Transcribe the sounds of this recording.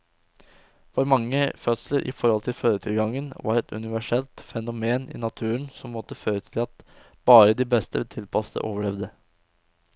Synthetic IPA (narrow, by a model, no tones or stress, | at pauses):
fɔɾmɑŋːəfœt̪sləɾʔɪ̰fɔɾhɔlt̪ʰɪlføːɾət̪ʰɪlɡɑŋənʋɑ̰ɾɛt̪ʉ̰nɪʋæʂɛlt̪fɛnʊmeːnɪ̰nɑt̪ʰʉːəɳnsɔmːɔt̪ːəføːɾət̪ʰɪlɑt̪ | b̥ɑːɾəd̪ɪbɛst̪ət̪ʰɪlpʰɑst̪ə̰ʔoːʋəɭɛʋd̪ə